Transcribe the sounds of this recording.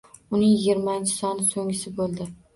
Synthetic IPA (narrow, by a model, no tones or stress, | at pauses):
ʊnɪŋjɪɡʲɪɾmaɪnt͡ʃʰɪ̥sɒnɪsoŋɪsɪbolˠd̪ɪ